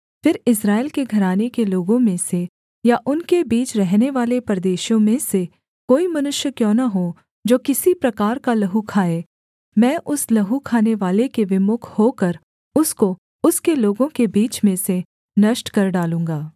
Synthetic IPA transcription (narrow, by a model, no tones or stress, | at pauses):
fɪɾɪsɾaːɪlkeɡʱɐɾaːnekeloːɡõmẽse | jaʔʊnkebiːt͡ʃɾɛɦneʋaːlepɾd̪eːʃjõmẽse | koːimɐnʊʃjəkjõːnaɦo | d͡ʒoːkɪsipɾɐkaːɾkalɐɦukʰaːeː | mɛ̃ːʔʊslɐɦukʰaːneʋaːlekeʋɪmʊkʰhoːkɐɾ | ʊsko | ʊskeloːɡõkebiːt͡ʃmẽse | nɐʃʈkɐɾɖaːlũːŋɡaː